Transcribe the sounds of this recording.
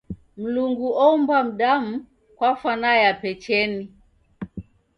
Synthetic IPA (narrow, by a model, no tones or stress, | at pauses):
m̩luŋɡuɔumbam̩ɗam̩ | kwafanajapɛt͡ʃɛni